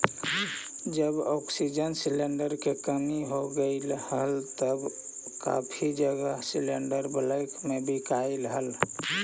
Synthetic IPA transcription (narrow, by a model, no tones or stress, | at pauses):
d͡ʒəbɔksid͡ʒənsileɳɖəɾkekəmiɦoɡəɪlhəlt̪əb | ka̰pʰid͡ʒəɡəsileɳɖəɾbələɪkmebʱikailɦəl